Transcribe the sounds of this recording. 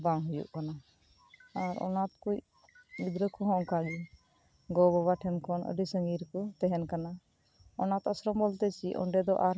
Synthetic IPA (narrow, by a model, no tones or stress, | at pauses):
baŋɦujṵʔkanaː | ɾɔ̰nat̪kuj | mid̪ɾəkʰɔɦɔ̃ʔkaɡi | ɡɔbɔbaʈʰɛmkɔnə̰ɖisəŋɡiɾkɔt̪ɛɦɛnkana | ɔnat̪əsɾɔmbɔlt̪ɛt͡ʃiʔɔ̰ɳɖɛd̪ɔʔaɾ